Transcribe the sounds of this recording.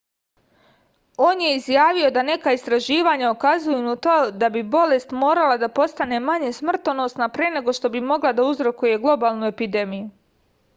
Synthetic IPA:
o̞ːnje̞izjaːʋio̞d̪ane̞kaist̪ɾaʒiːʋaɲaokazujunut̪od̪abibo̞le̞st̪mo̞ːɾalˠad̪apo̞st̪ane̞maɲe̞smr̩t̪ono̞snapɾene̞ɡo̞ʃt̪o̞bimo̞ɡlˠad̪auzɾo̞kuje̞ɡlˠo̞baːlˠnue̞pid̪e̞miju

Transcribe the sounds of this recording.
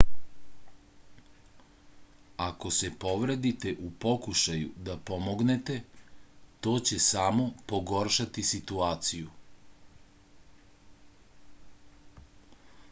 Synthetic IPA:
ako̞se̞po̞ʋɾed̪it̪e̞ʔupo̞kuʃajṵd̪apo̞mo̞ɡnet̪e̞ | t̪o̞ːt͡ɕe̞samo̞po̞ɡo̞ɾʃat̪isit̪uaːt̪siju

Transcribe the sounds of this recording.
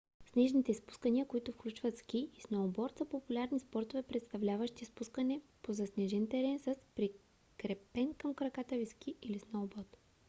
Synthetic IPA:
snɛʒnit̪ɛspu̥skəniəkoit̪ʊfklʲut͡ʃvɐt̪sk̟iisnobɔɾt̪səpopulʲaɾnispɔɾt̪ovɛpɾɛt̪st̪ɐvlʲavəʃt̪ispuskənɛpozɐsnɛʒɛnt̪ɛɾɛnsəspɾi | kɾɛpɛnkəmkɾɐkat̪əvisk̟ʰiilisnoobɔɾt̪

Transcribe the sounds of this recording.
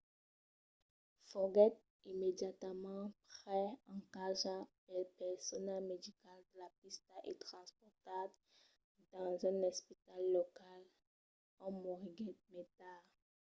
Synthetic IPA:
fɔɡɛt̪̚ | imed̪jat̪mɑ̃pχɛɑ̃kaʒapɛpɛʁsɔnɛlmed̪ikald̪əlapist̪aʔet̪χɑ̃spɔʁt̪ab | d̪̥ɑ̃zɛ̃nɔspit̪alːɔkal | ãmoʁiɡɛt̪̚met̪a

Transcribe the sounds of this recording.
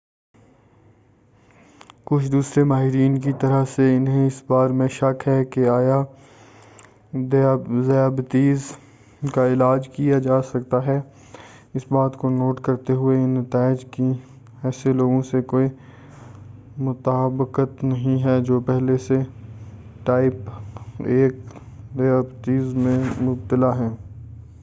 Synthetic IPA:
kʊt͡ʃʰd̪uːsɾemaːɦɪɾiːnk̬it̪ɐɾəɦseɪnɦẽɪsbaːɾmẽʃɐkɦɛkeaːja | zjaːbət̪iːz | kaɪlaːd͡ʒkijad͡ʒaːsɐkt̪aɦɛ | ɪsbaːt̪konoːʈkɐɾt̪eɦʊenɐt̪aːɪd͡ʒki | ɛːseloːɡõsekoːi | mʊt̪aːbɪkət̪nɐɦĩɦɛd͡ʒoːpɛɦlese | ʈaːɪp | eːk | d̪ejaːbt̪iːzmẽmʊb̚t̪ɪlaɦɛ̃ː

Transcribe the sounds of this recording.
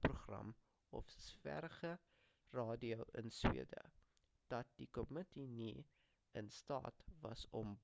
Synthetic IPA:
pruχrɐ̰m | ɔfsfæ̰ɾχə | rɑːdiowʔənswḭədə̰ | d̥ɐt̚dikɔmətini | ənstɑ̰ːtvɐsɔmb

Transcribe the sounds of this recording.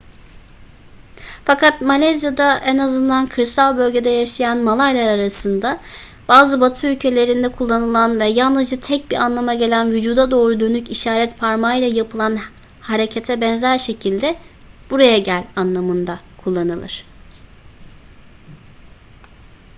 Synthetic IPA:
fakat̪malʲazjad̪aʔɛnazɯnd̪ankʰɯɾsalʲˠbø̞lʲɟe̞d̪ɛjaʃajanmalˠajlʲˠaɾaɾasɯnd̪a | b̥aːzɯbat̪ʰɯylʲcʰe̞lʲe̞ɾind̪ɛkʰulˠːanɯlˠanvɛjalˠnɯzd͡ʒat̪ʰɛc̚biɾanlˠamaɟe̞lʲænvyd͡ʒuːd̪ad̪o̞ːɾud̪ø̞nyciʃaːɾɛt̪pʰaɾmajlˠajapʰɯlˠan | haɾe̞cʰet̪ʰɛbɛnzæɾʃe̞cʰilʲd̪ɛ | b̥uɾajaɟælʲanlˠamɯnd̪a | kʰulˠːanɯlˠɯ̰ɾ̥

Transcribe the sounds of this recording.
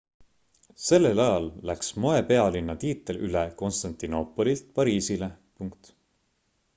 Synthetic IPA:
se̞lːelɑjɑlːæksmo̞epe̞ɑlinːɑt̪iːt̪ːˑelyleko̞nst̪ɑnt̪ino̞pːˑo̞lilt̪̚pɑɾiːsile̞ | puŋkt̪

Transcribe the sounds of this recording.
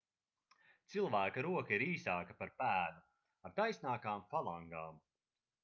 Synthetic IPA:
t̪silˠvæːkɐɾuɔkɐiɾiːsaːkɐpaɾpæːva | aɾt̪ajsʲnaːkaːmfalˠaŋɡaːm

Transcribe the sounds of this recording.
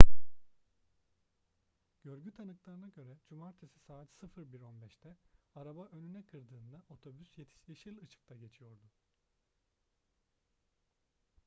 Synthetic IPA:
ɟ̥ø̞ɾɟyt̪ʰanɯklˠaɾɯnaɟø̞ɾɛd͡ʒumaɾt̪ʰesisaːt̪sɯfɯɾbiɾo̞nbɛʃt̪ʰɛaɾabaʔø̞nynɛkʰɯɾd̪ɯːnd̪ao̞t̪ʰo̞bysje̞t̪ʰi̥ʃʲiʃilʲɯt͡ʃʰɯ̥k̚t̪ʰaɟe̞t͡ʃʰijo̞ɾd̪ʊ

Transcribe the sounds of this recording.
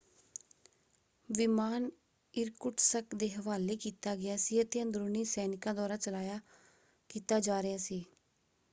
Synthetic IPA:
ʋɪmaːn | ɪɾkʊʈsəkd̪eːɦəʋaːleːkiːt̪aːɡɪjaːsiːət̪ẽːə̃nd̪ɾuːniːsɛːnɪkãːd̪aːɾaːt͡ʃəlaːjaː | kiːt̪aːd͡ʒaːɾɪjaːsiː

